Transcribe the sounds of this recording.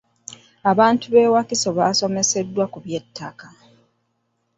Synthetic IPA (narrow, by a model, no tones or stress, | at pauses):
aβaːntuβe̞ːwakiso̞βaːso̞me̞se̞dːwakuβje̞tʰːaka